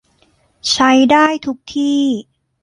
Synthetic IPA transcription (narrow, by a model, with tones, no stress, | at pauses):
t͡ɕʰa˦˥jdaː˥˩jt̪ʰu˦˥k̚t̪ʰiː˥˩